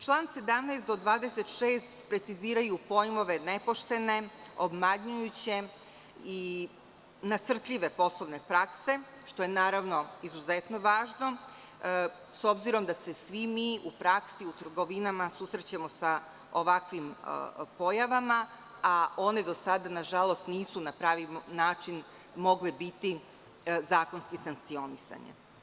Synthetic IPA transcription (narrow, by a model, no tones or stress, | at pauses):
t͡ʃlˠaːnse̞d̪amneːsd̪o̞d̪ʋaːd̪eset̪ʃeːst̪pɾe̞t̪siziːɾajupo̞jmo̞ʋe̞nepo̞ʃt̪e̞ne̞o̞bmaɲɲujut͡ɕe̞ | i | nasr̩t̪ʎʲiʋe̞po̞slˠoʋnepɾakse̞ | ʃt̪o̞jenaːɾaʋno̞izuzet̪no̞ʋaːʒno̞ | so̞bziɾo̞md̪ase̞sʋimiʔupɾaksiut̪r̩ɡo̞ʋinamasusɾet͡ɕemo̞sa | oʋakʋim̰po̞jaʋama | aʔo̞ned̪o̞sad̪anaʒalˠo̞st̪niːsunapɾaːʋinaːt͡ʃin | mo̞ɡlebit̪i | zaːko̞nskisaŋk̚t̪sio̞nisa̰ɲḛ